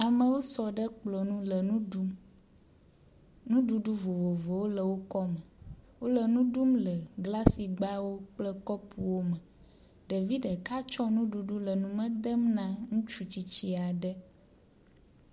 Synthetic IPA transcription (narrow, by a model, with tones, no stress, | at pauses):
a˨mə̃˨wo˦sɔ˨ɖə˦k͡plɔ˨nũ˦lə˨nũ˦u˦m | nũ˦ɖu˨ɖu˦vo˨vo˨vo˨wo˦lə˨wo˦kɔ˦mə̃˨wo˦lə˨nũ˦ɖu˦mlə˨ɡla˦si˨ɡ͡ba˦wo˦k͡plə˦kɔ˦pʰu˨wo˦mə̃˨ | ɖə˨vi˦ɖə˨ka˦t͡ʃɔ˦nũ˦ɖu˨ɖu˦lə˨nũ˦mə̃˦d̪ə˦mnã˦ŋũ˦t͡ʃu˦t͡ɕi˦t͡ɕi˦a˨ɖə˦